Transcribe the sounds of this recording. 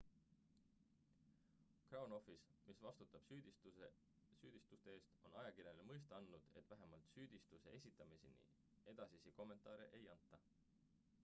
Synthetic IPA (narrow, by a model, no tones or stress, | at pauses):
krɑwno̞fismisvɑst̪ut̪ːˑɑb̥yd̪ | syːd̪̥ist̪ust̪e̞e̞ːst̪o̞nɑjɑkiɾjenemɤjs̬t̪eɑnːud̪̥e̞t̪ˑvæɦe̞mɑlt̪syːd̪̥ist̪use̞̰e̞sʲit̪ːˑɑmisḭnḭ | e̞d̪̥ɑsisiko̞mːe̞nt̪ˑɑːɾe̞̰ʔejɑnt̪ːˑɑ